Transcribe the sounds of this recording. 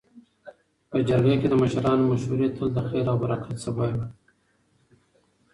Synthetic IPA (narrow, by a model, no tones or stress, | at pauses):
pəd͡ʒaɾɡaked̪əməʃɾɑːnomaʃuɾet̪ʰəld̪əxeɾabaɾɑkʰasɐwaj